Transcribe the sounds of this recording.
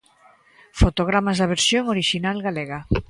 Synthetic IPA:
fot̪oɣ̞ɾamazðaβ̞eɾsjoŋoɾiʃinalɣaleɣa

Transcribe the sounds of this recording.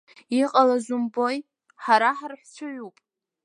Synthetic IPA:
iqʼalazumboj | ħaɾaħarħʷt͡sʷʰɨʕʷupʼ

